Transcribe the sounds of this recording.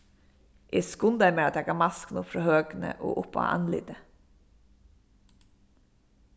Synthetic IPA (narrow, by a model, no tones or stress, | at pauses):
ʔeːskʊnd̪æɪɾmeːɑt̪jæɡɑːmɑsknʊpfɾɑːhøːɡnə̰ʔo̰ːʔʊpɑ̰ʔɑ̰nlɪ̰d̪ə